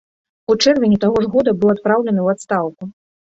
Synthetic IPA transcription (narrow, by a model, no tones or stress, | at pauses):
ut͡ʂɛrvʲɪnʲit̪aɣɔʐɣɔd̪ɐbɨwˠat̪pɾawlʲɛnɨwat̪st̪awku